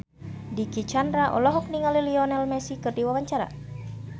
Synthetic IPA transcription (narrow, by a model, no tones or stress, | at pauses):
dikit͡ʃandɾaʔɔ̰lɔɦɔk̚niŋaliliɔnɛlmɛsikɨrdiwawaɲt͡ʃaɾa̰